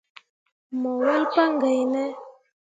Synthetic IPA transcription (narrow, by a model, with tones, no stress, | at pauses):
mɔ˨wə˦lpa˦ŋɡə˨jnɛ˦